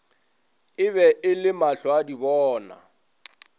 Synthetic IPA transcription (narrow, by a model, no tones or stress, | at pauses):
ɪβɛʔɪlɪmaɬɔadibɔːna̰